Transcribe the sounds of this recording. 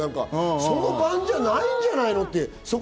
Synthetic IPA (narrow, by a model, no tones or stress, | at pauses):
ãŋka̰so̞nobãɲd͡ʑanaĩɲ̟d͡ʑanaino̞t̪ːe̞ | sok